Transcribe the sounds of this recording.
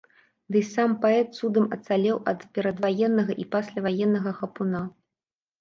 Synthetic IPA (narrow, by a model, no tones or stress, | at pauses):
d̪ɨsampaɛt̪̚sud̪ɨmɐt̪salʲɛwʔɐt̪pʲɛɾɐd̪vajɛnːɐɣɐʔipasʲlʲɐvajɛnːɐɣɐxɐpuna